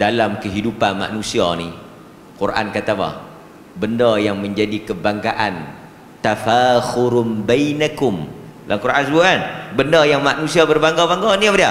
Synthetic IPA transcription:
dalamkəɦidupanma̰ʔnũsianḭ | kurʔa̰nkat̪aba̰h | bəndajaŋməɲd͡ʒadikəbaŋɡaʔan | t̪afaxuɾʊnbajnakʊm | lʔa̰ŋkuɾʔans̬buanbəndəjaŋmaʔnũsiabərbaŋɡabaŋɡaniabədia

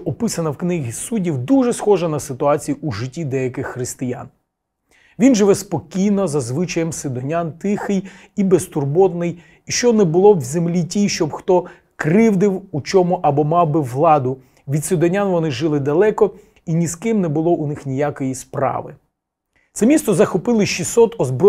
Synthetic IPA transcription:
ɔpɪsɐnɐwknɪɦʲisudʲiwd̪uʒɛsxɔʒɛnɐsɪt̪ʊɑt͡sʲijuʔuʒɪtʲːid̪ɛjɐkɪxːɾɪst̪ɪja̰n | ʋʲinʒɪʋɛspɔkʲijnɔzɐzʋɪt͡ʃɐjɛmsɪd̪ɔnʲant̪ɪxɪj | ibest̪ʊrbɔd̪nɪj | iʃt͡ʃɔnɛbʊlˠɔwzemlʲitʲijʃt͡ʃɔbxt̪ɔ | kɾɪwd̪ɪwut͡ʃɔmʊʔɐbɔmɑwbɪʋlˠɑd̪ʊ | ʋʲid̪sɪd̪ɔnʲanʋɔnɪʒɪlˠɪd̪ɐlˠɛkɔ | inʲiskɪmnɛbʊlˠɔʔunɪxnʲijakɔjispɾɑ̰ʋɪ̰ | t̪sɛmʲist̪ɔzɐxɔpɪlˠɪʃisɔt̪ɔzbɾɔ

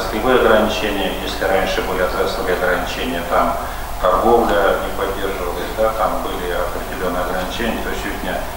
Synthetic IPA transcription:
slʲɪbɨjɐɡrɐnʲɪt͡ɕenʲɪjəjesʲlʲɪranʲʂɨbɨlʲɪɐt̪ʲɛt̪sˠəvəɐɡrənʲɪt͡ɕenʲɪjət̪am | t̪ɐrɡo̞vlʲənʲɪpɐdʲːerʐɨvəlˠəzʲd̪at̪ambɨlʲɪɐpɾʲɪdʲɪlʲo̞nːɨjɐɡrɐnʲɪt͡ɕenʲɪjət̪osʲut̪ʲnʲa

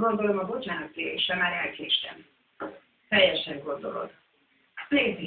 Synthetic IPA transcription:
ɡo̞nd̪o̞lomɒbo̞t͡ʃaːnɒt̪ːeḛʃɛmaːɾɛlkʰeʃt̪ɛ̰n | t̪ɛjːɛʃɛŋɡo̞nd̪o̞lo̞̰d̪ | leːzi

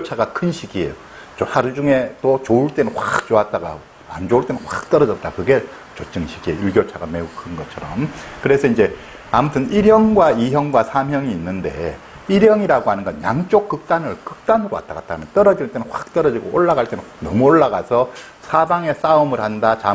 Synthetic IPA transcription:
ot͡ɕʰaɡakʰɯnɕʰiɡie̞̰jo | t͡ɕohaɾud͡ʑuŋe̞t͈ot͡ɕouɭt͈e̞nɯnɸwak̚t͡ɕoat̚t͈aɡa̰ | a̰nd͡ʑouɭt͈e̞nɯnɸwak̚t͈ʌɾʌd͡ʑʌt̚t͈akɯɡe̞ | t͡ɕot͡ɕ͈ɯŋɕʰiɡieouɭɡjot͡ɕʰaɡame̞ukʰɯnɡʌt͡ɕʰʌɾʌmkɯɾe̞sʰʌind͡ʑe̞ | amutʰɯniɾjʌŋɡwaiɦjʌŋɡwasʰamɦjʌŋiːnːɯnde̞̰ | iɾjʌŋiɾaɡohanɯnɡʌnjaŋt͡ɕ͈ok͈ːɯk̚t͈anɯɭkɯk̚t͈anɯɾoa̰t͈aɡa̰t͈̚aɡmjʌnt͈ʌɾʌd͡ʑinɭt͈enɯnɸwḁk̚t͈ʌɾʌd͡ʑiɡooɭːaɡaɭt͈e̞nɯnnʌmuoɭːaɡasʰʌ | sʰabaŋe̞s͈aɯmɯɭhandat͡ɕa

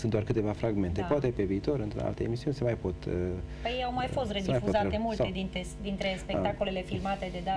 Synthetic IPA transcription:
sɨnt̪d̪oarkɨt̪e̞vafɾaɡme̞nt̪epoat̪e̞pe̞viːt̪o̞ɾɨnt̪ɾo̰a̰lt̪eemisiunʲsemajpo̞t̪pəjejawmajfo̞st̪red̪imajfuzaemult̪e̞d̪int̪ed̪int̪ɾe̞spekt̪ako̞le̞le̞filmat̪e̞d̪e̞d̪a

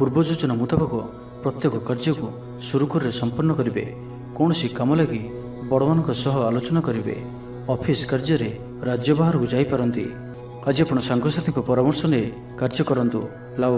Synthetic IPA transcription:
puɾbɔd͡ʒud͡ʒɔnamut̪apakɔ | pɾɔt̪jɔkɔkaɾd͡ʒɔku | suɾukuɾɔɾesɔmpɔɾnɔkɔɾibḛ | kɔɽ̃ɔsikamɔlaɡi | bɔɽɔmanɔŋkɔsɔɦɔalot͡ʃɔnakɔɾibḛ | ɔpʰiskaɾd͡ʒɔɾe | ɾad͡ʒjɔbaɦɔɾɔkud͡ʒajpaɾɔnt̪ḭ | ad͡ʒiapɔɽ̃ɔsaŋɡɔɾsat̪ʰiŋkupɔɾamɔɾsɔne | kaɾd͡ʒɔkɔɾɔnt̪u | la

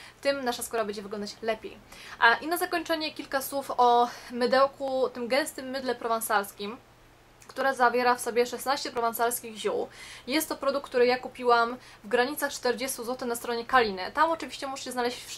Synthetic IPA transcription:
t̪ɘmnaʂaskɔɾabɛɲd͡ʑɛvɘɡlɔnd̪at͡ɕlɛpʲḛjʔinazakɔɲt͡ʂɛɲɛkʲilkaswufɔmɘd̪ɛwkut̪ɘmɡɛ̃nst̪ɘmːɘd̪lɛpɾɔvãnsaɾskʲim | kt̪uɾɛzavʲjɛɾafsɔbʲjɛʂɛsnaɕt͡ɕɛpɾɔvãnsaɾskʲiɣʑuwjɛst̪ːɔpɾɔd̪ukt̪uɾɘjakupʲiwamvɡɾaɲit̪saxt͡ʂt̪ɛɾd͡ʑɛst̪uzwɔt̪ɘxnast̪ɾɔɲɛkalʲinɘ̰t̪amɔt͡ʂɘvʲiɕt͡ɕɛmuʐɛɕɛznalɛɕt͡ɕf

